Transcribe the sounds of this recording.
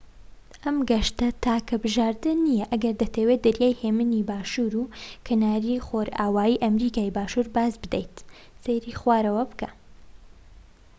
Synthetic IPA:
ʔɐmɡɐʃt̪ɐt̪ʰaːkʰɐbɨʒaːɾd̪ɨnːijɐʔɐɡɐɾd̪ɐt̪ʰewed̪ɐɾjaːjheːmɨnibaːʃuːɾuːkʰɐnaːɾixoːɾaːwaːiːʔɐmɾiːkaːjbaːʃuːɾbaːzbɨd̪ejt̪ | seɾixwaːɾɐwɐbɨka

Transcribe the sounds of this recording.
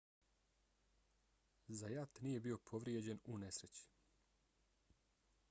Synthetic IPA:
zajat̪nije̞bio̞pʰo̞ʋɾjed͡ʑe̞nune̞sɾe̞t͡ɕi̥

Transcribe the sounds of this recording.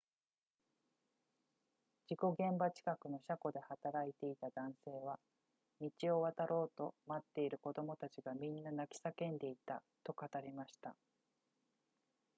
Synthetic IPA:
d͡ʑiko̞ɡẽ̞mbat͡ɕi̥kakɯ̟no̞ɕako̞d̪e̞hat̪aɾait̪e̞it̪ad̪ãɰ̃se̞ːβa | mʲit͡ɕio̞βat̪aɾʔo̞ːt̪o̞mat̪ːe̞iɾɯ̟ko̞d̪o̞mo̞t̪at͡ɕiɡamʲĩnːanakʲi̥sakẽ̞nd̪e̞it̪at̪o̞kat̪aɾʲimaɕi̥t̪a

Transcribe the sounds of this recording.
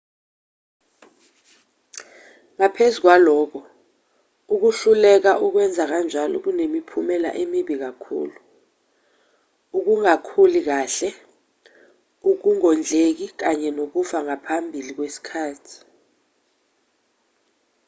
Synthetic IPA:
ŋapʰezuk̬walɔːk̬ʰɔ | uk̬uɬulɛk̬aʔuk̬wɛnd͡zʱak̬and͡ʒʱalɔ̰k̬unemipʰumɛla̰ʔemiɓik̬akʰṵːlu | uk̬uŋakʰulik̬aːɬɛ | uk̬uŋɔnd͡ɮʱek̬ik̬aɲɛnok̬ufaŋapʰambʱilik̬wesi̥kʰaːtʰi̥

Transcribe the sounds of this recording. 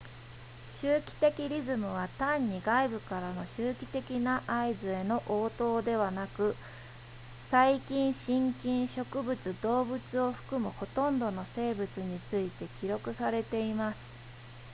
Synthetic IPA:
ɕɨːkʲi̥t̪e̞kʲiɾʲizɨmɯ̟β̞at̪ãɲ̟ːiɡaibɯ̟kaɾano̞ɕɨːkʲi̥t̪e̞kʲinaʔaizɨe̞no̞ʔo̞ːt̪o̞ːd̪e̞β̞anakɯ̟ | saikʲĩɰ̃ɕĩŋkʲĩɰ̃ɕo̞kɯ̟bɯ̟t͡sɨd̪o̞ːbɯ̟t͡sɨo̞ɸɯ̟̥kɯ̟mɯ̟ho̞t̪õ̞nd̪o̞no̞se̞ːbɯ̟t͡sɨɲ̟it͡sɨit̪e̞kʲiɾo̞kɯ̟saɾe̞t̪e̞imasɨ̥

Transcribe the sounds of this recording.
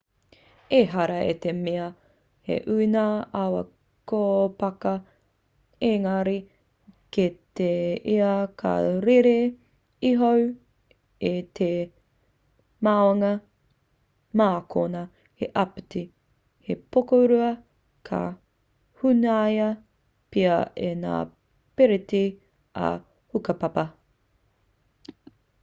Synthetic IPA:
eɦɐɾɐet̪emeɐ | hḛʔʉinaawɐ̰ | kopɐkɐ | eŋɐɾi | kit̪eeɐkʰɐ̰ɾeɾe | iɦow | et̪ʰe | maoŋɐ | maːkʰonɐ | heʔɐpiti | hepokoɾuɐ | kʰɐ̰ | hunaɐjɐ | piɐḛna̰ː | peɾeti | ɐ̰ | hukɐpɐpɐ

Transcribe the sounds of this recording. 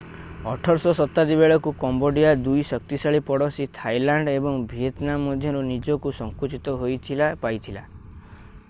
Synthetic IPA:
ɔʈʰɔɾsɔsɔt̪ːad̪ibeɭɔkukɔmboɖijad̪ujsɔk̚t̪isaɭipɔɽɔsit̪ʰajlaɳɖebɔŋbʱiet̪namɔd̪ʱjɔɾunid͡ʒɔkusɔŋkut͡ʃit̪ɔɦojt̪ʰilapajt̪ʰila

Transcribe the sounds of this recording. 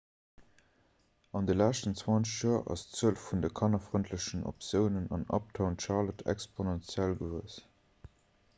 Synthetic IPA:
ɑndəlæːʃtənt͡swɑnt͡səɕjuɐʔɑ̰st͡səəlfːundəkʰɑnɐfʁəntʰləʃəno̰psjəʊnənɑnɑ̰p̚tʰɑʊnʃɑːlətʰɛ̰kspʰonɛnt͡sjælɡəvəəs

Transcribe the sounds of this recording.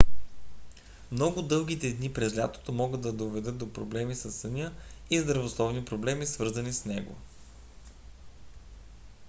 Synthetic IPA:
mnɔɡʊd̪ɤlˠɡ̟it̪ɛd̪nipɾɛzlʲa̰t̪o̥t̪omɔɡəd̪ɐd̪ovɛd̪ɤt̪̚d̪opɾoblɛmisɐsːənʲəizd̪ɾɐvoslˠɔvnipɾoblɛmisvɤɾzɐnisnɛɡo̰

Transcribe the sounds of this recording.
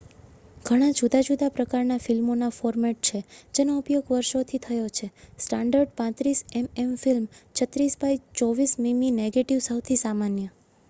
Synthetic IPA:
ɡ̥ʱəɽ̃ad͡ʒud̪ad͡ʒud̪apɾəkaɾnafilmonafɔɾmɛʈ̚t͡ʃʰed͡ʒenoupjoɡʋəɾʃot̪ʰit̪ʰəjot͡ʃʰesʈãɳɖəɾɖpãt̪ɾisɛmemfilmt͡ʃʰət̪ɾisbajt͡ʃɔʋismimineɡeʈiʋsəwt̪ʰisamanjə

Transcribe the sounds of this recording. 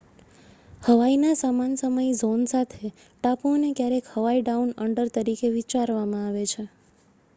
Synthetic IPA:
həʋainasamansəməjzonsat̪ʰe | ʈaponekjaɾekhəʋaiɖaunəɳɖəɾt̪əɾikeʋit͡ʃaɾʋamãaʋet͡ʃʰe

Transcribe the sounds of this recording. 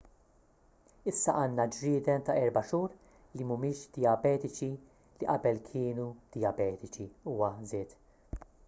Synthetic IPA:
ɪsːɐʔɐːnːɐd͡ʒɾɪːd̪ɛmt̪ɐʔɛɾbɐʃuːɾ | limʊmɪːʃd̪̥ɪjɐbɛːt̪ɪt͡ʃi | liʔɐbɛlkʰɪːnud̪̥ɪjɐbɛːt̪ɪt͡ʃiuːwɐzɛːt̪

